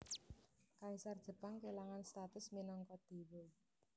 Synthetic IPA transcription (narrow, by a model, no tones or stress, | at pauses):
kaisard̥ʒ̥ə̤paŋkelaŋanst̪at̪ʊsminɔŋkɔd̪̥e̤wo